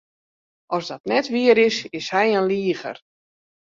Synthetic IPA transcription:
ʔɔsdɔtnɛtʋiəɾɪsɪshɛjənliəɣə̰r

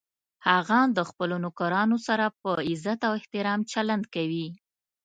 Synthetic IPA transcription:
haɣand̪əxpəlonʊkaɾɑnosaɾapəɪzat̪awɪht̪ɪɾɑmt͡ʃaland̪kawi

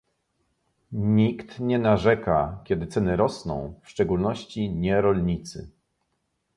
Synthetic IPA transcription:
ɲikt̪ɲɛnaʐɛkakʲɛd̪ɘt̪sɛnɘɾɔsnɔ̰̃w̃fʂt͡ʂɛɡulnɔɕt͡ɕiɲɛɾɔlɲit̪sɘ̰

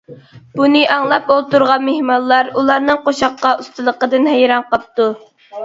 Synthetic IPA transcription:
b̥unɨʔɑŋlˠɑpolˠt̪uɾʁɑnmehmɑlˠːɑɾulˠɑɾnɨŋqoʃɑqːɑʔust̪ɨlˠəqəd̪ɨnɦæjɾɑnqɑp̚t̪u

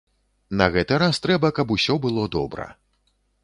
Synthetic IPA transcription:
nɐɣɛt̪ɨɾast̪ɾɛbɐkɐpusʲɔbɨlˠɔd̪ɔbɾɐ̰

